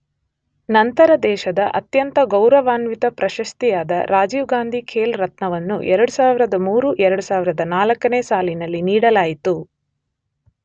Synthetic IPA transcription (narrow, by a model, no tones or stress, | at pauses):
nɐnt̪ɐɾɐd̪ɛːʃɐd̪ɐʔɐ̰t̪jɐnt̪ɐɡɐwɾɐʋaːnʋit̪ɐpɾɐʃɐst̪ijaːd̪ɐ̰ɾaːd͡ʒiːʋɡaːnd̪ʱikʰeːlɾɐt̪nɐʋɐnːṵʔɛɾɐɽusaːʋiɾɐd̪ɐmuːɾuʔɛɾɐɽusaːʋiɾɐd̪ɐnaːlɐkːɐneːsaːlinɐlːiniːɽɐlaːjit̪u